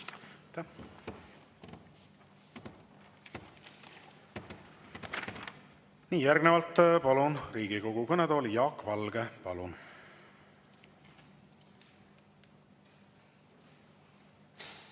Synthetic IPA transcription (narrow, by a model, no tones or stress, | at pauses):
t̪ | niːjærɡnevɑlt̪ːpɑlunriːɡ̥iko̞ɡ̥ukɤned̪olijɑːkːvɑlɡepɑlun